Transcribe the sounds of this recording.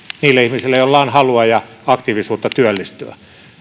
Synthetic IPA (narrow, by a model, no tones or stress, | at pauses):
niːlːeæihmisilːeijollɑinhɑluɑjɑ | ɑkt̪iːʋisuːt̪ːɑt̪yælːist̪yæ̰